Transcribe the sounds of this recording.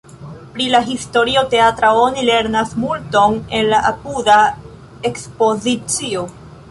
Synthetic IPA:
pɾilaɦisto̞ɾio̞te̞atɾao̞nile̞ɾnasmulto̞ne̞nlaʔapuda | ekspo̞zit͡sio̞

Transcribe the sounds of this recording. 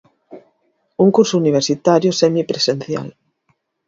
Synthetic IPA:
uŋkuɾsʊuniβ̞eɾsit̪aɾjʊsɛmipɾesenθja̰l

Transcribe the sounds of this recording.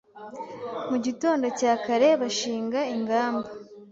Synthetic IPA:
muɟito̞ːndo̞caːkaɾe̞βaʃiːŋɡaiŋɡaːmba

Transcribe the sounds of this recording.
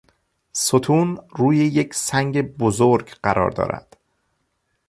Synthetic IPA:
sot̪ʰuːnruːjejecsæŋɟe̞bozoɾɡɢæɾʔɒ̰ːɾd̪ɒ̰ːɾæ̰d̪̥

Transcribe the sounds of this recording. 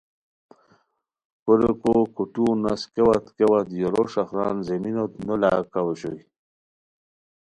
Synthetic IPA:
kolekokuʈunaskewat̪kewat̪joɾoʂaxɾɑ̰ːnzeminot̪nolakaweɕoj

